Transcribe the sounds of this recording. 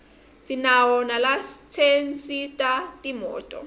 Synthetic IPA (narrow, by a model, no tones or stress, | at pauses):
sinawɔnalast͡sʰensʼitʼatʼimɔ̰ːtʼɔ̰